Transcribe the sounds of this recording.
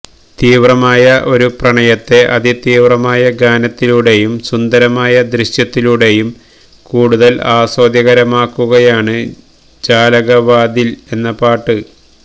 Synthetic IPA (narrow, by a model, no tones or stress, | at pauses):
t̪iːʋrɐmaːjɐʔo̞ɾuprɐɳɐjɐt̪ːe̞ʔɐðit̪iːʋrɐmaːjɐɡaːnɐt̪ːiluɽe̞jumsund̪ɐɾɐmaːjɐd̪ɾiɕjɐt̪ːiluɽe̞jum | kuːɽuðɐlaːso̞ːd̪jɐɣɐɾɐmaːkːuɣɐjaːɳɨ | d͡ʑaːlɐɣɐʋaːd̪ile̞nːɐpaːʈːɨ